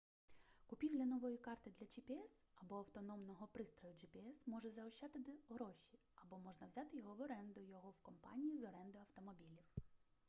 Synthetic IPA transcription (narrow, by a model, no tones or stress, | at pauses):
kʊpʲiwlʲɐnɔʋɔjikɑrt̪ɪd̪lʲɐt͡ʃɪpʲɪɛsɐbɔɐwt̪ɔnɔmnɔɦɔpɾɪst̪ɾɔjʊd͡ʒɪpʲiɛsmɔʒɛzɐʊʃːɑt̪ɪt̪ɪɦɾɔʃʲi | ɐbɔmɔʒnɐwzʲɑt̪ɪjɔɦɔʋɔɾɛnd̪ʊjɔɦɔwkɔmpɑ̰nʲijizɔɾɛnd̪ʊɐwt̪ɔmɔbʲilʲiw